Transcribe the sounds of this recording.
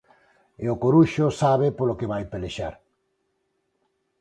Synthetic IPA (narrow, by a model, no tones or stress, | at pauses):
eokoɾuʃosaβ̞epolokeβajpeleʃaɾ